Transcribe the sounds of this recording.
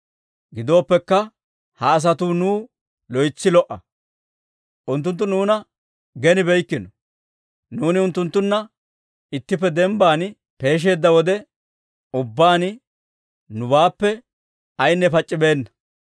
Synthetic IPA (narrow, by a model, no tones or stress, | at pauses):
ɡɪd̪o̞ːpːɛkːɐ | hɐːs̬ɐt̪unuː | lɔjt͡sːɪlɔʔɐ̰ | ʔʊnt̪ːʊnt̪̬ːʊnuːnɐ | ɡɛnɪbɛjkːɪnɔ | nuːnɪʊnt̪ːʊnt̪ːʊnːɐ | ɪt̪ːɪp̬ːɛd̪ɛmbaːn | pe̞ːʃ̬e̞ːd̪ːɐwɔd̪ɛ | ʊbːaːn | nʊbaːpːɛ | ɐjnːɛpɐt͡ʃʼːɪbe̞ːnːɐ